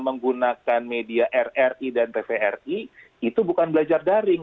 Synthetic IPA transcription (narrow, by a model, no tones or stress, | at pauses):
məŋɡunakanmediaʔɛrɛridant̪efeɛri | it̪ubukanbəlad͡ʒardaɾɪŋ